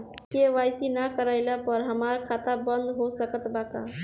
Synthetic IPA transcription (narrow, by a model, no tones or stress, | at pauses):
keʋajsinakəɾəjlapəɾɦəmaɾkʰat̪abənd̪ɦosəkət̪baka